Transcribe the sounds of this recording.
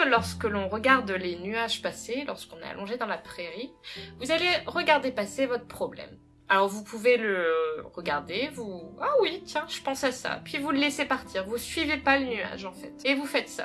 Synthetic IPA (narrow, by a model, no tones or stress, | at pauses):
lɔʁskəlɔ̃ʁəɡaʁd̪lenyaʒpaselɔʁskɔ̃nḛa̰lɔ̃ʒed̪ɑ̃lapχeʁivuzaleʁəɡaʁd̪epasevɔt̪χə̥pχɔblɛ̰m | alɔʁvupʰuveləʁəɡaʁd̪evuawit̪jɛ̃ʒ̥əpɑ̃sasa̰pɥivuləlesepaʁt̪ʰiʁvusɥivepalənya̰ʒɑ̃fɛt̪evufɛt̪sa̰